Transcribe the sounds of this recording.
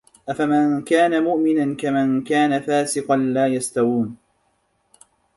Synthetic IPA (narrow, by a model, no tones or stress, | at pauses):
ʔafamankaːnamʊʔmɪnankamankaːnafaːsɪqɑnlaːjast̪awuːn